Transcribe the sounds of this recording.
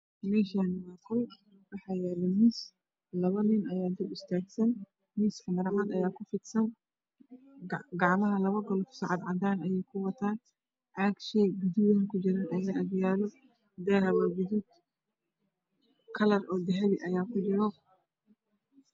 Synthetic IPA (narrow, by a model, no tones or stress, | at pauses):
mɛːʃaːnɪwɑːkʰɔl | wɑħɑːjɛːlɛmiːs | lɐβɐnɪnɐjaːd̪ibɪst̪ʰaːɡsɐn | miːskʰɐmɐɾʕanɐjaːkʰʊfɪd̪sɐn | ɡɑʕmɐɦɐlɐβɐɡɔlɔfsɑʕɑd̪ʕɑd̪aːnɐjɛjkʰʊwɐt̪ʰaːn | ʕaɡʃɛɡud̪uwankʰʊd͡ʒɪɾanʔɐlɐɐd̪jaːlɔ | d̪ɛɦɐβaɡʊðuːd̪ | kʰɐlɐrɔːd̪ɛɦɛlɪʔɐjaːkʰʊdɪɾɔ